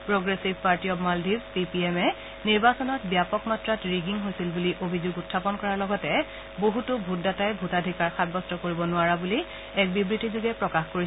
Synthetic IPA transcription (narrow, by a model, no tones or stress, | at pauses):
pɹoɡɹesibʱpaɹtiɔbmaldʱibspipiɛmɛ | niɹbasɔnɔtbijapɔkmatɹatɹiɡiŋɦojsilbuliʔobʱizuɡutʰːapɔnkɔɹaɹlɔɡɔtɛ | boɦutʊbʱut̚datajbʱutadʱikaɹxad̚bɔstɔkoɹibɔnʊaɹabuli | ɛk̚bibɹitizuɡɛpɹɔkaxkoɹi